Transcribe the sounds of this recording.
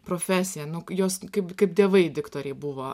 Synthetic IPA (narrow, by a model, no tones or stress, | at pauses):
pɾoːfʲæːsʲɪjɛnʊjoːskɐɪpkɐɪpdʲeɛʋɐɪd̪ʲɪkt̪oːɾʲɛɪbʊʋoː